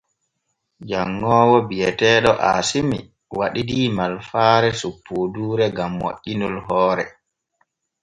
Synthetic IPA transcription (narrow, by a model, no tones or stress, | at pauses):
d͡ʒaŋːɔːwɔbijɛtɛːɗɔʔasimḭ | waɗidiːmalfaːɾɛsupʰːuduːɾɛɡamːo̰ʔinulɦɔːɾɛ